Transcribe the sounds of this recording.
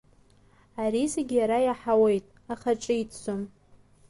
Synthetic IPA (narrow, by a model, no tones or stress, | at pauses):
aɾizeɡʲjaɾajaħawejtʼ | aχaʈ͡ʂʼɨitʰsʷom